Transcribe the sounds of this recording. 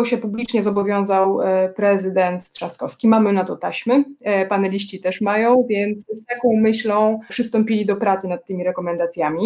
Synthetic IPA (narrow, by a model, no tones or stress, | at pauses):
ɔɕɛpublʲit͡ʂɲɛzɔbɔvʲjɔ̃w̃zawpɾɛzɘd̪ɛnt̪ʂaskɔfskʲimamɘnat̪ɔt̪aɕmɘpanɛlʲiɕt͡ɕit̪ɛʂmajɔ̃w̃vʲjɛnt̪sst̪akɔ̃w̃mɘɕlɔ̃w̃pʂɘst̪ɔmpʲilʲid̪ɔpɾat̪sɘnat̪ːɘmʲiɾɛkɔmɛnd̪at̪sʲjamʲi